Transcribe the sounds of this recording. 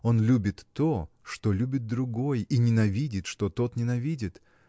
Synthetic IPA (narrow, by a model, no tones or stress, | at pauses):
o̞nlʲubʲɪt̪ːo | ʂt̪olʲubʲɪt̪̚d̪ɾʊɡo̞jinʲɪnɐvʲidʲɪt̪ʂt̪ot̪o̞t̪nʲɪnɐvʲidʲɪt̪